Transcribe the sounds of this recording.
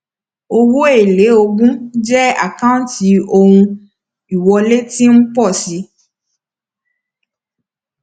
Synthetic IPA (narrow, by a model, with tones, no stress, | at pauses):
o˧wo˦e˦˨le˨˦o˧ɡũ˦d͡ʒɛ˦a̰˦˨kã˦ti˨˧o˧hũ˧ | i˨wɔ˧le˦ti˦n̩˦k͡pɔ˦˨si˨˧˦